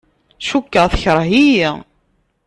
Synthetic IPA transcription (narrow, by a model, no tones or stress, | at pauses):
ʃukːəʁθçəɾˤɦiji